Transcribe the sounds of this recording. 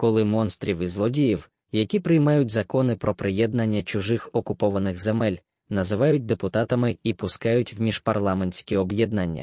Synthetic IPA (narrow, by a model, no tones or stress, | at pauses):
kɔlˠɪmɔnst̪ɾʲiwizlˠɔdʲijiw | jɐkʲipɾɪjmɑjʊt̚ʲzɐkɔnɪpɾɔpɾɪjɛd̪̚nɐnʲːɐt͡ʃʊʒɪxɔkʊpɔʋɐnɪxzemɛlʲ | nɐzɪʋɑjʊt̚ʲd̪epʊt̪ɑt̪ɐmɪipʊskɑjʊtʲwmʲiʒ̥pɐrlˠɑmenʲsʲkʲiɔbjɛd̪nɐnʲːɐ̰